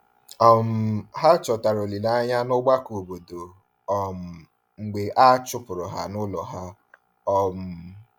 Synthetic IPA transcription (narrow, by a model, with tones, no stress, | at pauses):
ɔ˨m̩˨ɦa˦t͡ʃɔ˨ta˨ɾo˨li˨la˨a˦ɲa˦nʊ˦ɡ͡ba˦ko˨bo˨do˨ | ɔ˨m̩˨ | ŋ͡m̩˨ɡ͡be˨ʔa˦t͡ʃʊ˦pʊ˨ɾʊ˨ɦa˦nʊ˦lɔ˨ɦa˦ | ɔ˦m̩˨